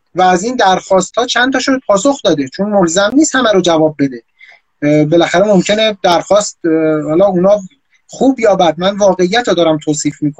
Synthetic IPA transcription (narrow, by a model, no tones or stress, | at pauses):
væːzind̪æɾxɒːst̪hɒːt͡ʃʰænt̪ʰɒːʃopʰɒːso̞xd̪ɒːd̪et͡ʃʰonmolzæmniːst̪hæmæɾod͡ʒævɒːb̚ːe̞d̪e | be̞læxæɾemomcʰe̞ned̪æɾxɒːst̪hɒːlɒːunɒː | xuːbjɒːbæd̪̚mænvɒːɣe̞ijːæt̪ʰɾod̪ɒːɾæmt̪ʰoːsiːfmiːkʰo